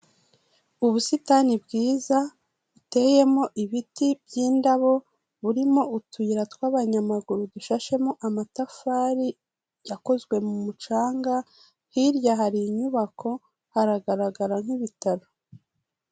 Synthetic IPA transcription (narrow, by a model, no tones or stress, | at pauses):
uβusitanibɡiːza | βute̞je̞mo̞ʔiβitibjiːndaβo̞ | βuɾimo̞ʔutuiɾatwaːβaɲamaɡuɾuduʃaʃe̞moʔamatafaːɾi | jako̞zɡwe̞mumut͡ʃaːŋɡa | hiɾjaɦaɾiɲuβakʰo̞ | haɾaɡaɾaɡaɾaŋ̥hiβitaɾo̞